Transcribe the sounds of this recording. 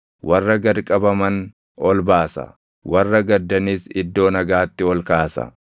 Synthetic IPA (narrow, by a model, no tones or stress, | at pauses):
wʔɐrːɐɡɐɾkʼɐbɐmɐn | ɔlbaːsɐ̰ | wɐrːɐɡɐd̪ːɐniːsɪd̪ːo̞ːnɐɡaːt̪ːɪɔlkaːsɐ̰